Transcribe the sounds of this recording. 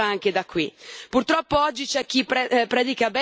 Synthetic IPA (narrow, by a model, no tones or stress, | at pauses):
aaŋk̟ed̪akʰːwipurt̪ɾɔpːoɔd͡ʒːit͡ʃɛk̟ːipɾɛpːɾɛːd̪ikabɛ